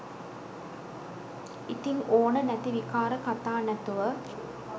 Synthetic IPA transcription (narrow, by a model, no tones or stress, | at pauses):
it̪inʔoːɳɐnɛt̪iʋikaːɾɐkɐt̪aːnɐt̪ːuʋɐ